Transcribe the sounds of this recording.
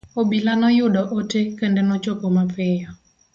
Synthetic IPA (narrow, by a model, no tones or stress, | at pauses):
obilanɔjʊɗɔʔotekəndenɔt͡ʃopomapɪjɔ